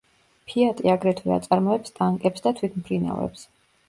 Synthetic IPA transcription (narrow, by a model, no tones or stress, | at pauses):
pʰiat̪ʼiaɡɾɛt̪ʰwɛa̰t̪sʼaɾmɔɛpst̪ʼaŋkʼɛpsd̪at̪ʰwit̪ʰmpʰɾina̰vɛ̰ps